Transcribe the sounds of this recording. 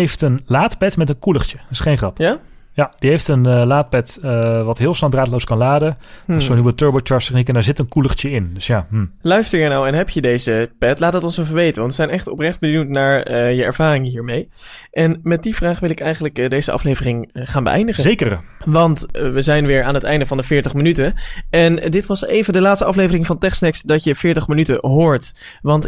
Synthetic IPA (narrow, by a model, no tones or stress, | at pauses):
ɦejftənlaːtpɛtmɛtənkuləχt͡ʃəɪsχejnχrɑp | jad̥iɦejftənəlaːt̚pɛtəʋɑtɦɪːlˠsnɑdraːtlowskɑnlaːdəəsonɦibətøɹbəltɹɛstəχnikɛndɛɹzɪtənkuləχtəɪndɵsjaːm̩lœɥstəɹəɹnawɛnɦɛpjədejzəpɛtlaːtdətɔnsɛvəɹʋejtənʋɑntʋəzɛjnɛχtɔprɛχd̚bənuwtnaːɹəjəɛɹv̥aːrɪŋɦiːɹmej | ʔɛnmɛt̚div̥raːχʋɪlɪkɛjχənləkdejzəʔɑ̰flejvərɪŋχaːnbə̰ʔɛ̰jndəχəekə | ʋɑntʋəzɛjnʋɪːɹaːnɦətɛjndəvɑndəvɪːɹtəχmənytəɛndɪtʋɑsejvəndəlaːtstəʔɑflejvərɪŋvɑntɛχsnɛksdɑtjəfɪːɹtəχmənytəɦʊːɹt | ʋɑnt